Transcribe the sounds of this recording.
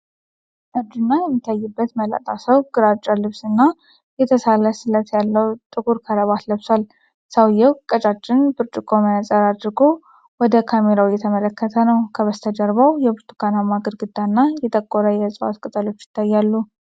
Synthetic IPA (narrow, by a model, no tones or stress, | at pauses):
ʔabd͡ʒ̪unːajɛmːit̪ʰːajːɨbːət̪məla̰t̪ʼasəwɡ̥ɨɾat͡ʃʼːalɨβsɨnːa | jɛt̪ʰəsalːəsɨlət̪ʰjalːəwt̪ʼɨɡuɾkʰəɾəβat̪ləβsal | səwjːɛwkʼət͡ʃʼat͡ʃʼːɪnbɨɾt͡ʃʼɪkʼomənat͡sʼəɾad̪ɾɡo | wɔd̪əkʰameɾawjɛt̪ʰəmələkːət̪ʰənəwkʰəβəst̪ʰəd͡ʒəɾβawjɛbɨɾt̪ʰu̥kʰanamaɡəɾɡɨd̪ːanːajɛt̪ʼəkʼːoɾəjɛsʼɨwa̰t̪kʼɨt̪ʼəlo̞t͡ʃːjɪ̥t̪ʰːajːalːu